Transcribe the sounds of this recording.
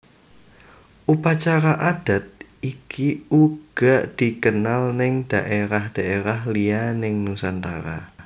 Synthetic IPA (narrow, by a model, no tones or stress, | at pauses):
ʔupat͡ʃaɾaʔad̥a̤t̪̚ | ikʰiuɡ̥aʔd̪̥i̤kənalnɪŋd̥aʔeɾahd̥aʔeɾahlianɪŋnusant̪a̰ɾa̰